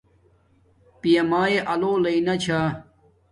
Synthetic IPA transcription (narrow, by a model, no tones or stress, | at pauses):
pijɐmaːeʔɐloːlɐinɐt͡ɕʰaː